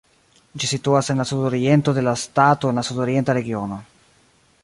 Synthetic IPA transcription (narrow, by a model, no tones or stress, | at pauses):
d͡ʒisit̪uasenlasud̪oɾient̪od̪elast̪at̪oenlasud̪oɾjent̪aɾeɡiono